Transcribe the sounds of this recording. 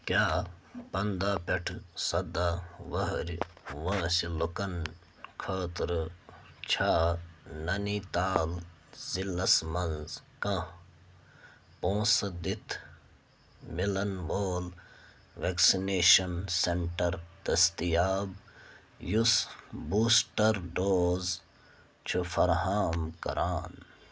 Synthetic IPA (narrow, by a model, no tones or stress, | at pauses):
kjaːpɐnd̪aːpeʈʰsɐd̪aːʋɐɦɾʲʋɐ̃ːsilokɐn | kʰɐːt̪ɾ | t͡ʃʰaːnɐniːt̪aːlzilːɐsmɐnzkɐ̃ | põːsɐd̪it̪ʰ | milɐnʋoːl | ʋeksineːʃɐnseɳʈɐɾd̪ɐst̪ijaːb | jusbuːsʈɐɾɖoːz | t͡ʃʰufʰɐɾɦaːmkɐ̰ɾʔaːn